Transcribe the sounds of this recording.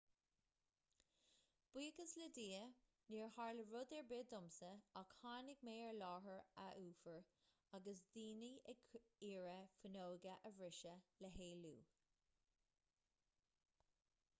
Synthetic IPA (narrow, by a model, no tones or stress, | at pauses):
b̥wiːɡəsləd̪iːə | niːɹhɑɹləɹʊd̪ɛɹbɪd̪ʊmsəakhaːnɪɡmeːəɹlɑːɦəɹaʔuːfəɹ | aɡəsd̪iːniɛɡiːɹəfənoːɡəʔəvɹɪʃələɦeːlṵː